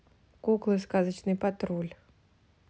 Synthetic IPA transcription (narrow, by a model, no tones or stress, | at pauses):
kuklˠɨskazət͡ɕnɨjpɐt̪ɾulʲ